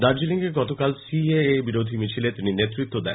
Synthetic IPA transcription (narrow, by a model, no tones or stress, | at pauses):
d̪aɾd͡ʑiliŋɡeɡɔt̪okalsieebiɾod̪ʱimit͡ɕʰilet̪ininet̪ːɾit̪ːod̪ɛ̰